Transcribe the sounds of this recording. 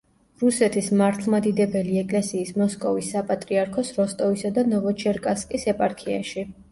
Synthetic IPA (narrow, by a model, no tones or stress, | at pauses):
ɾusɛt̪ʰismaɾt̪ʰlˠmad̪id̪ɛbɛliɛkʼlɛsiːsmɔskʼɔvisːapʼat̪ʼɾiaɾkʰɔsɾɔst̪ʼɔvisad̪anɔvɔt͡ʃʰɛɾkʼaskʼisɛpʼaɾkʰia̰ʃi